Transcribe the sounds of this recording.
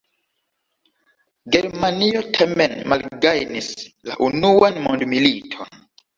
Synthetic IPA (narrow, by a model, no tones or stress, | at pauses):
ɡeɾmaniotʰamenmalɡajnisla̰ʔunuanmondmilitʰon